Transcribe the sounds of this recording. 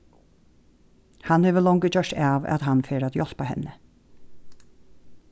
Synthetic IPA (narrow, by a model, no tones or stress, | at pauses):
hanhɛːʋəlɔŋkəd͡ʒœʂʈaːʋa̰t̪hanfeːɾat̪jɔl̥pahɛ̰nːə